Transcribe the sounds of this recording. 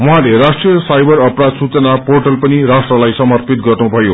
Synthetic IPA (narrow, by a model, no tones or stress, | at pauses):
wũɦãlerasʈrijʌsajbʌɾʌprad̪sut͡sʌnaporʈʌlpʌnirasʈrʌlajsʌmʌrpit̪̚ɡʌrnubʱʌjo